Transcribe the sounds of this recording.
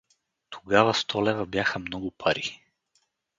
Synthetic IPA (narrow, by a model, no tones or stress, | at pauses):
t̪ʰo̥ɡavɐst̪ʰɔlɛvɐbjaxəmnɔɡʊpʰaɾi